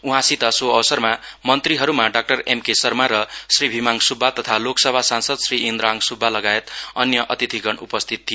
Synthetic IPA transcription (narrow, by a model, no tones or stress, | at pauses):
uɦãsit̪ʌsoʌwsʌrmamʌnt̪riɦʌɾumaɖak̚ʈʌremkesʌrmaɾʌsribʱimaŋsubʱːat̪ʌt̪ʰaloksʌbʱasansʌd̪sriind̪ɾaŋsubʱːalʌɡaet̪ʌnjʌʔʌt̪id̪ʰʱiɡʌɳupʌst̪ʰit̪̚ʰːijo